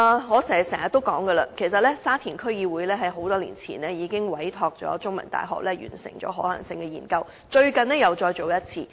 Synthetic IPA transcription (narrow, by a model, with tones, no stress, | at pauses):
ʔɐː˨ŋɔː˨˧sɛ˨˩˨sɛː˨˩ŋɐ˨t̪ːo˥wkɔː˨˥ŋɡə˧lɐ˧kʰe˨˩js̬ɐ˨t̚lɛː˥saː˥t̪ʰiː˨˩nkʰɵ˥ɥjiː˧wuː˨˥jlɛː˥ɦɐ˨˥jɦo˨˧˥wt̪ɔː˥lḭː˨˩nt͡sʰḭː˨˩nɛː˥jiː˨˧kɪ˥ŋwɐ˨˥jt̪ʰɔː˧k̚t͡sɔ̰ː˨˥t͡sʊ˥ŋmɐ̰˨˩nt̪a̰ː˨jɦɔ̰ː˨k̚lɛː˥jy̰ː˨˩nsɪ̰˨˩ŋt͡ɕɔ̰ː˨˥ɦɔː˨˥lɐ̰˨˩ŋsɪ˧ŋkɛ˧jiː˨˩nkɐ˧w | t͡ʃɵ˧ɥkɐ˨nɛː˥jɐ˨wt͡ʃɔː˧jo˨wjɐ˥t̚t͡sʰiː˧